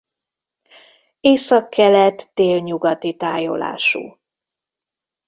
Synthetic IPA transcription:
eːsɒkʰːɛlɛt̪d̪̥eːlɲuɡɒt̪it̪aːjo̰la̰ːʃṵː

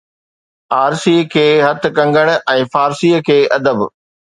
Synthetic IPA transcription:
aːɾsiːkʰeːɦɐt̪̆ʰkɐ̃ŋɡəɽ̃ʊʔɛ̃ːfaːɾsiːəkʰeːʔɐd̪əb

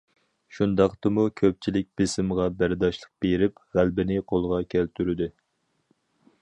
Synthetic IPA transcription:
ʃund̪ɑqt̪ɨmukʲʰøp̚t͡ʃʰilɪk̚ʲb̥ɪsɪmʁɑbæɾd̪ɑʃlˠəq̚b̥eɾɪpʁælbɪnɪqʰolˠʁɑkʲʰælt̪ʰyɾɪd̪ɪ

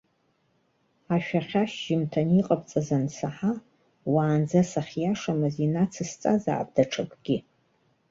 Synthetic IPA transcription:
aʃᶣaχʲaʃʒɪmtʰaniqʼap̚ʼt͡sʼazansaħa | waːnd͡zasaχʲjaʂamɨzinat͡sʰɨst͡sʼaza̰ːb̚ʼdaʈ͡ʂʰɨkʷʰʼɡ̥ʲɪ

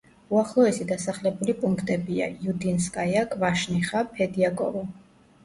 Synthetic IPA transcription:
uaχlˠɔɛsid̪asaχlɛbulipʼuŋkʰt̪ʼɛbia̰jud̪inskʼajakʼvaʃniχapʰɛd̪iakʼɔ̰vɔ

